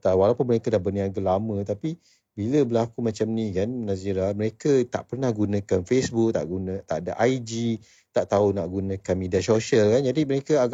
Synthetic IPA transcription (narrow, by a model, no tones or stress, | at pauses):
t̪awalapʊnməɾekədahbəniaɡəlamə̃t̪api | biləbəlakumãt͡ʃamnikannasiɾaməɾekət̪a̰ʔpərnahɡunə̃kanfesbuk̚t̪a̰ʔɡunə̃t̪aʔdaʔaid͡ʒi | t̪aʔt̪aunaʔɡunə̃kanmẽdiasoʃalkand͡ʒadiməɾekəaɡ